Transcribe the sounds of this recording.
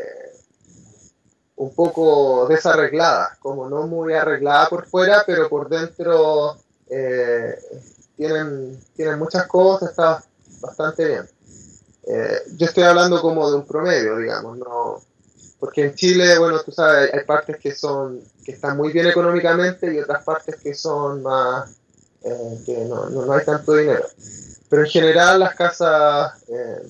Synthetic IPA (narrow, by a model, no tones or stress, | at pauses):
umpo̞koðe̞sare̞ɣlaða̰ko̞mono̞mujare̞ɣlaðapo̞ɾfwe̞ɾape̞ɾo̞po̞ɾðe̞nt̪ɾo | e | t̪je̞ne̞nt̪je̞ne̞nmut͡ʃaskosaseht̪a | bast̪ant̪e̞βje̞̰n | ḛɟ͡ʝo̞est̪o̞jaβland̪o̞ko̞mo̞ðeumpɾo̞me̞ðjo̞ðiɣa̰mo̞̰sno̰ | poɾke̞ːnt͡ʃileβwe̞no̞t̪usaβesajʔajpaɾt̪e̞skeso̞n | keːst̪anmujβje̞neko̞no̞mikamẽ̞nt̪eio̞t̪ɾaspaɾt̪e̞skeso̞nmas | ekeno̰nonoajt̪ant̪oðine̞ɾo̞̰pe̞ɾoeŋxe̞ne̞ɾalːahkasasḛ